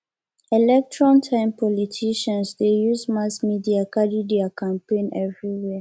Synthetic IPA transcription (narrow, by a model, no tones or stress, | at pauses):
ɛlɛk̚tɹɔ̃ntʰãɪ̃mpʰɔlitʰiʃɔ̃nsdejuzmasmidiakadidiakʰãmpẽnɛvɹiwɛ